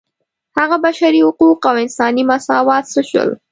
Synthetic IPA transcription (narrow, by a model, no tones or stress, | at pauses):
haɣabaʃaɾihʊquqawɪnsɑnimasɑwɑt̪səʃwə̰l